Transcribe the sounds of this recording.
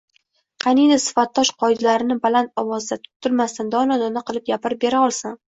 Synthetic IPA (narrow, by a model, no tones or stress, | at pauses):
qʰɑnid̪asɪ̥fat̪ːɒʃqʰɒɪd̪laɾɪnɪbalant̪ɒwɒzd̪at̪ʰʊ̥p̚t̪ʰːʊɾmast̪and̪ɒnɒd̪ɒnaqʰɨlˠɪp̚ɡʲapɪɾɪbe̞ɾaɒlˠsan